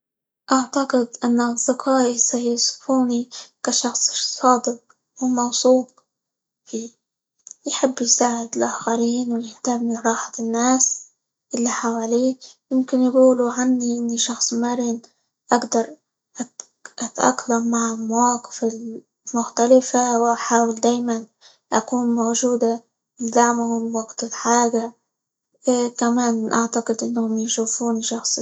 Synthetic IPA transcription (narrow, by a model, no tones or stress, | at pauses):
ʔaʕt̪aqɪd̪ʔanːaɑzˤd̪ɪqʰɑːʔisajʊsˤfuːnikaʃɑxsˤsˤɑːd̪ɪq̚ | wɪlmɑwsˤuːb̪̚ | fiː | jħɪbːjsaːʕɪd̪ɪlʔaːxaɾiːnwɪjɪht̪amːɪnɾˤɑːħḁnːaːs | ʔɪlːiħawaːliːjɪmkɪnjɪɡuːluʕanːiʔɪnːiʃɑxsˤmaɾɪn | ʔaɡd̪ɑɾˤ | ʔa | ʔat̪ʔa̰kːlamːaʕɪmawaːqɪ̥fɪl | mʊxt̪alɪfawʔaħaːwɪld̪aːjman | ʔakuːnmowʒuːd̪a | ɪnd̪aʕmhʊmwaɡt̪ɪlħaːɡa | kamaːnʔaʕt̪aqɨd̪ʔɪnːhʊmjɪʃuːfuːniʃɑxsˤ